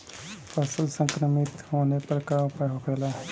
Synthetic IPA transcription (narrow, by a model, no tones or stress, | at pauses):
pɐsəlsə̃ŋkɾəmit̪hoːnepɐɾkaupaɦokʰela